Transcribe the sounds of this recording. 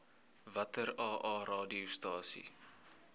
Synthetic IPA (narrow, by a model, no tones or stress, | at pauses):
vɐtərɑːʔɑːrɑːdiustɑːsḭ